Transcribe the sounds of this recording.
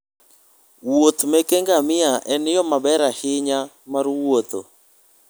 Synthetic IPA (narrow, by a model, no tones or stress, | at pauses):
wot̪mɛkeŋɡamɪaʔɛnɪjɔmabɛɾahɪɲa | maɾwot̪o